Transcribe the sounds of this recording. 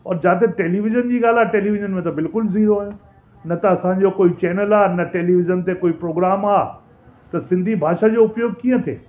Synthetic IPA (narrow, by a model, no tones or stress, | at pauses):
ɔːɾd͡ʑaːt̪̬eʈeːliʋɪʒənd͡ʑiːɡaːl̤aːʈeːliʋɪʒənmẽt̪̬ɐbɪlkʊlziːɾoaːe | nɐt̪ɐɐsãɲ̆d͡ʑokoːit͡ɕɛːnəlaːnɐʈeːliʋɪzənt̪ekoːipɾoːɡɾaːmaː | t̪ɐsɪ̃nd̪ʱibʱaːʃad͡ʑoːʊpjoːɡ̚kĩːə̃t̪ʰḛː